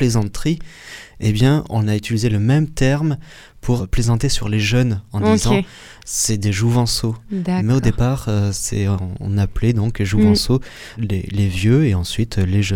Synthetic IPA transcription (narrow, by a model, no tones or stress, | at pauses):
plezɑ̃t̪χiebjɛ̃ɔ̰̃nayt̪ilizeləmɛmt̪ɛʁm | pʰuʁplezɑ̃t̪esyʁleʒœnɑ̃d̪izɑ̃ | sɛd̪eʒuvɑ̃somɛod̪epaʁøsɛ̰ɔ̰̃napled̪ɔ̃keʒuvɑ̃so | lelevjøeɑ̃sɥit̪ʰleʒ